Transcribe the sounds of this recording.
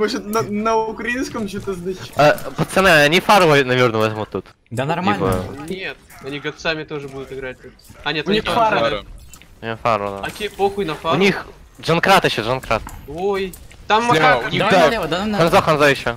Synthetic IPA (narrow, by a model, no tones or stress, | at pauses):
moʐət̪nənəʊkɾɐinskəmt͡ɕot̪əzd̪ɨt͡ɕapət̪sɨnaɐnʲifaɾvənɐvʲernəvɛt̪əmot̪ːut̪ | d̪anɐibə̰nʲet̪ɐnʲiɡɐt̪samʲɪt̪o̞ʐɨbud̪ʊt̪ɨɡɾat̪̚ʲot̪ɐnʲet̪ʊnʲixfa | nʲofaɾvəd̪aokʲejpoxʊjnɐfaʊnʲix | ʐɐnkɾat̪ɪɕːoʐɐnkɾat̪ojt̪amːɐa | d̪axɐnzoxɐnzoɪɕːo